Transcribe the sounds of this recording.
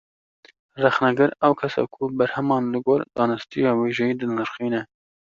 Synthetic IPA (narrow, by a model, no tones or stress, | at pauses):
rɛxnɛɡɨɾɛwkʰɛsɑ̰kʰubɛɾhɛmɑːnlɨɡoːɾd̪̥ɑːnɨst̪ijɑːweːʒɛjiːd̪ɨnɨɾxiːnɛ